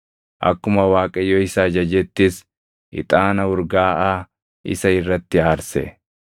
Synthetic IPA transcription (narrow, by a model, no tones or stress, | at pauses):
ʔɐ̰kːʊmɐwaːkʼɐjːɔɪsaːd͡ʒɐd͡ʒɛt̪ːɪs | ɪ̰t̪ʼaːnɐʊɾɡaːʔaː | ɪ̰sɐɪrːɐt̪ːɪaːɾsɛ̰